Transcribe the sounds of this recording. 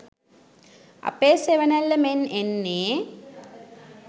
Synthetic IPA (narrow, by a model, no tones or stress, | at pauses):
ɐ̰peːseʋənælːəmenenːeː